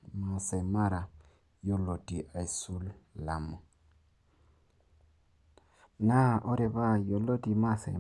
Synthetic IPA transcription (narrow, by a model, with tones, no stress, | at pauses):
ma˨se˨ma˦ɾa˨ | jo˦lo˨ti˨ʔa˨i˨su˦lːa˨mo˨ | na˦ʔo˦ɾe˨βa˦˨jo˨lo˦ti˨ma˦sḛ˨